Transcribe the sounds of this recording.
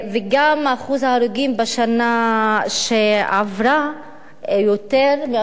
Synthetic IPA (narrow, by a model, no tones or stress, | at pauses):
veɡamaːχuzhaːɾuɡimbaʃanaʃea̰vɾa | jot̪eʁme